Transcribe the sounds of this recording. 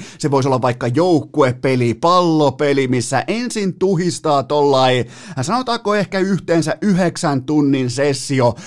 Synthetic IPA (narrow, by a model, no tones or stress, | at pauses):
seʋoisolːɑʋʋɑikːɑjoukːueppelipɑlːopelimisːæ̰ʔensint̪uhist̪ɑːt̪olːɑi | sɑnot̪ɑːkoehkæyht̪eːnsæʔyheksænt̪unːinsesːio